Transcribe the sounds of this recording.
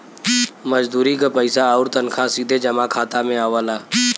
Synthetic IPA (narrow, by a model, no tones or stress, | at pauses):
məd͡ʒd̪uːɾikapəɪsaɔʊɾt̪ənkʰãsiːd̪ʱed͡ʒəmakʰaːt̪amẽaːʋəːlaː